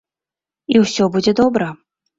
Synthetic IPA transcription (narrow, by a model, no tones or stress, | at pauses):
iwɕʲobudʲĕd̪obrɤ̆